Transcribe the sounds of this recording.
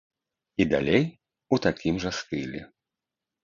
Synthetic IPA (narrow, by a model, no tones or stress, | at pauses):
id̪a̰lʲej | ut̪akʲimʐɐst̪ɨlʲɛ̰